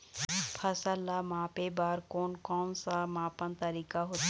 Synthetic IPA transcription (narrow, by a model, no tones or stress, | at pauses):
pʰɐsəlːamãːpebaːɾkoːnkɔːnsamãːpənt̪ɐɾiːkaɦot̪